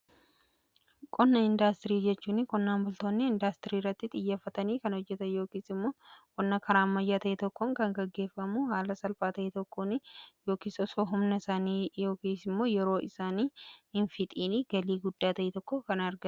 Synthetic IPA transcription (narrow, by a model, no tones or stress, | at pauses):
kʼɔnːɐɪnd̪aːst̪ɪɾiːd͡ʒɛt͡ʃːuːnɪkɔnːaːmbʊlt̪o̞ːnːɪɪnd̪aːst̪ɪɾiːrːɐt̪ːɪt̪ʼɪjːɐfːɐt̪ɐniːkɐnɔd͡ʒːɛt̪ɐjo̞ːkiːsɪmːoːkʼɔnːɐkʰɐɾaːmːɐjːaːt̪ɐʔɛt̪ɔkːɔŋkɐŋɡɐɡːe̞ːfːɐmuhaːlɐsɐlfaːt̪ɐʔɛt̪ɔkːoːnɪjoːkiːsɔsoɦʊmnɐsaːniːjo̞ːkiːsɪmːo̞ːjɛɾo̞ːɪsaːniːɪnfɪt̪ʼiːniɡɐliːɡʊd̪ːaːt̪ɐʔɛt̪ɔkːɔkɐnɐɾɡɐ